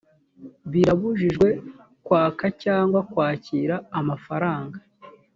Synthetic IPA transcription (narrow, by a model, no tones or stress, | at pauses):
βiɾaβuʒiʒɡwe̞ | kwaːkacaːŋɡwakwaːciːɾaːmafaɾaːŋɡa